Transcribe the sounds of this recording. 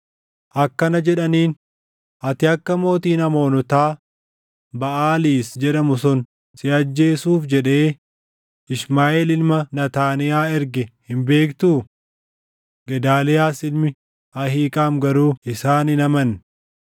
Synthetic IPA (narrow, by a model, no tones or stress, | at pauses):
ʔɐkːɐnɐd͡ʒɛᶑɐniːn | ʔɐt̪ɪɐkːɐmo̞ːt̪iːnɐmo̞ːnɔt̪aː | bɐʔaːliːsd͡ʒɛᶑɐmʊsɔn | sɪɐd͡ʒːe̞ːsuːfd͡ʒɛᶑe̞ː | ɪsmaːʔelɪlmɐnɐt̪aːnɪjaːɛɾɡɛhɪmbe̞ːkt̪uː | ɡɛd̪aːlɛjaːsɪlmɪ | ɐɦiːkʼaːmɡɐɾuːɪsaːnɪnɐmɐn